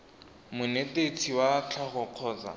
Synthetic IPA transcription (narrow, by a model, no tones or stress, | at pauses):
mʊnetet͡sʰiwat͡ɬʰaχʊq͡χʰɔːt͡sa̰